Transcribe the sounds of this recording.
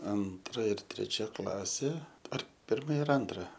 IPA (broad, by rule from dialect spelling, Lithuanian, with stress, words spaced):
ˈɐntrɐ ɪr tʲrʲɛˈt͡ʃʲɛ ˈklˠɑːsʲeː ɐr ˈpʲɪrmɐ ɪr ˈɐntrɐ